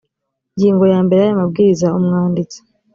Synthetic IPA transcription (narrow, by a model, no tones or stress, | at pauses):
ɲɟiːŋɡo̞jaːmbe̞ɾeajamab̚ɡiːɾizaumŋaːndit͡se̥